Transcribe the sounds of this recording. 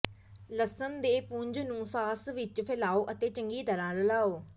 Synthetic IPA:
ləsənd̪eːpũɲd͡ʒnũːsaːsʋɪt͡ʃpʰɪlaːoːʔət̪eːt͡ʃəŋɡiːt̪əɾãːləlaːoː

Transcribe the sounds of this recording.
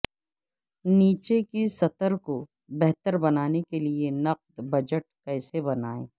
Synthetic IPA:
niːt͡ʃekisɐt̪əɾko | bɛɦt̪əɾbɐnaːnekelienɐq̚d̪bɐd͡ʒəʈ̚kɛːsebɐnaːḛ̃ː

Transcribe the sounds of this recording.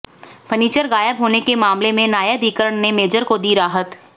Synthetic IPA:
pʰəniːt͡ʃəɾɡaːjəbɦoːnekemaːmlemẽnaːjad̪iːkəɾəɳnemeːd͡ʒəɾkod̪iɾaːɦət̪

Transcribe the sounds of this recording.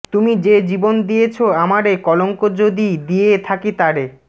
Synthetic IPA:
t̪umid͡ʑed͡ʑibond̪ijet͡ɕʰoamaɾekɔloŋkod͡ʑod̪id̪ijet̪ʰakit̪aɾe

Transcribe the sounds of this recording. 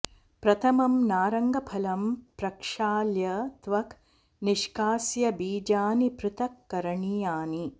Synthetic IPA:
pɾɐt̪ʰɐmɐmnaːɾɐŋɡɐpʰɐlɐmpɾɐkʂaːljɐt̪ʋɐk | niʃkaːsjɐbiːd͡ʒaːnipɾɪt̪ɐkːɐɾɐɳiːjaːni

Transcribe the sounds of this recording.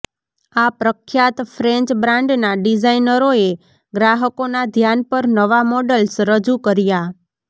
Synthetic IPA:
apɾəkʰjat̪fɾɛ̃ɲt͡ʃbɾãɳɖnaɖid͡ʒainəɾoe | ɡɾaɦəkonad̪ʱjanpəɾnəʋamɔɖəlsɾəd͡ʒukəɾja

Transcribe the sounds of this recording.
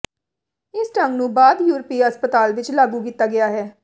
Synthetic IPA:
ɪsʈəŋɡnũːbaːd̪juːɾəpiːəspət̪aːlʋɪt͡ʃlaːɡuːkiːt̪ːaːɡɪjaːɦɛː

